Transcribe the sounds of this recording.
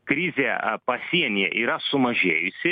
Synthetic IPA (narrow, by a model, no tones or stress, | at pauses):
kɾʲɪzʲeːpɐsʲiɛnʲɪjɛ̰ʔiːɾɐsʊmɐʒʲeːjʊsʲɪ